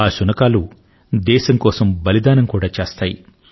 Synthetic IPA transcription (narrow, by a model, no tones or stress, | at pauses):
aːʃunɐkaːlu | d̪ɛːʃɐŋkɔːsɐmbɐlid̪aːnɐmkuːɽaːt͡ʃeːst̪aːjḭ